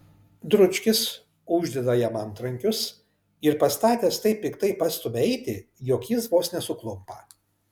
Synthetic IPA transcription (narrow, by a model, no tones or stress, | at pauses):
d̪ɾʊt͡ʃʲkʲɪs | ʊʒʲd̪ʲɛd̪ɐjɛmɐnt̪ɾɐŋʲkʲʊs | ɪɾpɐst̪ɑːt̪ʲeːst̪ɐɪpʲːɪkt̪ɐɪpɐst̪ʊmʲɛɪt̪ʲɪjoːkjɪsboːsnʲɛsʊklˠʊmpɐ